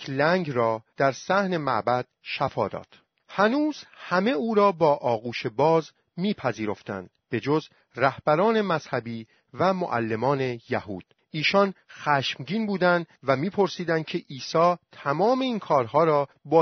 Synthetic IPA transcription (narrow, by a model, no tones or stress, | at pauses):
læŋɾɒːd̪̥æɾsæhne̞mæ̰bæd̪̥̚ʃæfɒ̰ːd̪ɒ̰ːd̪̥ | hænuːz̥hæme̞uːɾɒːbɒːʔɒːɣuːʃe̞bɒːz | miːpʰæziːɾo̞ft̪æ̰nd̪b̥e̞d͡ʒo̞z | ræhb̥æɾɒːne̞mæz̥hæbiː | væmo̰ʔæ̰lːe̞mɒːne̞jæhuːd̪̥̚ | iːʃɒnxæːʃmɟiːnbuːd̪ænd̪væmiːpʰo̞ɾsiːd̪ænd̪̚cʰe̞ʔiːsɒːt̪ʰæmɒːme̞iːnkʰɒːɾɦɒːɾɒː | bɒː